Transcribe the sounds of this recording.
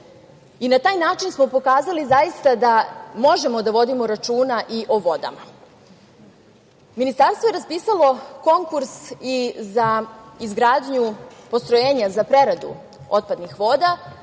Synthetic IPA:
inat̪aːjnaːt͡ʃinsmo̞po̞kaːzalizajist̪ad̪amo̞ʒe̞mo̞d̪aʋo̞d̪imoɾat͡ʃuːnaʔiʔo̞ʋo̞d̪a̰ma | minist̪aɾst̪ʋo̞jeɾaspiːsalo̞ko̞ŋkuɾsizaizɡɾaːd̪ɲupo̞st̪ɾojeːɲazapɾe̞ɾad̪ṵ | o̞t̪̚pad̪nixʋo̞ːd̪a

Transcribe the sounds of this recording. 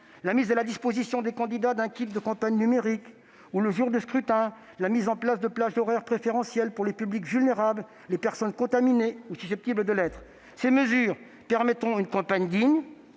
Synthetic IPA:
lamizalad̪ispozisjɔ̃d̪ekɑ̃d̪id̪ad̪ɛ̃kʲip̚d̪əkɑ̃paɲnymeʁik | uləʒuʁd̪əskχyt̪ɛ̃ | lamizɑ̃plasd̪əplaʒd̪ɔʁɛʁpχefeʁɑ̃sjɛlpuʁlepyblikvylneʁabl | lepɛʁsɔnkɔ̃t̪amineusysɛp̚t̪ibləd̪əlɛt̪χ | seməzyːʁ | pɛʁmɛt̪χɔ̃ynkɑ̃paɲd̪iɲ

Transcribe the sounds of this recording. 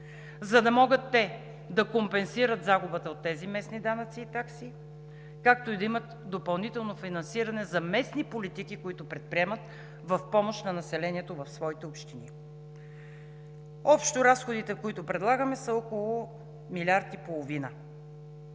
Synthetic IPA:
zɐd̪ɐmɔɡət̪ːɛ | d̪ɐkompɛnsiɾət̪zaɡʊbət̪ɐot̪ːɛzimɛsnid̪anɐt̪siːt̪aksi | kak̚t̪oid̪ɐimɐt̪d̪opɐlˠnit̪ɛlˠnofinɐnsiɾɐnɛzɐmɛsnipolit̪ikikoit̪ʊpɾɛt̪̚pɾiɛmɐt̪ | vɐfpɔmoʃt̪nɐnɐsɛlɛniɛt̪ovɐfsvɔit̪ɛopʃt̪ini | ɔpʃt̪oɾasxod̪it̪ɛkoit̪ʊpɾɛd̪lˠaɡəmɛsɐɔkolˠʊ | milʲaɾt̪ipolˠovinə

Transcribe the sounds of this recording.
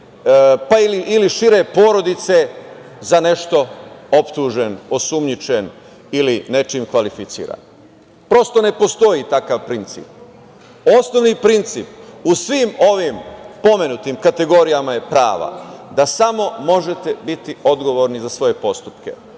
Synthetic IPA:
pailiʔiliʃiɾe̞po̞ːɾo̞d̪it̪se̞ | zane̞ʃt̪o̞o̞pt̪uːʒe̞no̞sumɲit͡ʃe̞n | iline̞t͡ʃimkʋalifit̪sḭːɾa̰n | pɾo̞st̪o̞ne̞po̞st̪o̞it̪akaʋpɾint̪sḭːp̚ | o̞snoʋnipɾint̪sḭːp̚usʋimo̞ʋimpo̞me̞nut̪imkat̪e̞ɡo̞ɾijamaje̞pɾa̰ːʋa̰d̪asamo̞mo̞ʒe̞t̪e̞bit̪io̞d̪ɡo̞ʋo̞ɾnizasʋo̞je̞po̞st̪u̥pkḛ

